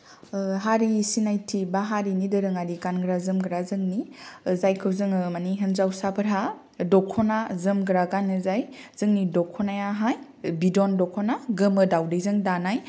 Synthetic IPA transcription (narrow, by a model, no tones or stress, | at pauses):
ɦaɾisinajtʰibaɦaɾinidɯɾɯŋadikanɡɾazɯmɡɾazɯŋnizajkʰɯwzɯŋɯmaniɦənzawsapʰəɾɦa | dɔkʰːɔnazɯmɡɾaɡanɯzajz̥ɯŋnidɔkʰːɔnajaɦaj | bidɔndɔkʰɔnaɡɯmɯdawdejzɯŋdanaj